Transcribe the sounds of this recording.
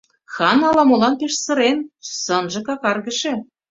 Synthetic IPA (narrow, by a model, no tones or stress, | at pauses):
xɑnɑlɑmolɑnpeʃsɤ̆ɾensɤ̆nʒɤ̆kɑkɑrɣə̆ʃĕ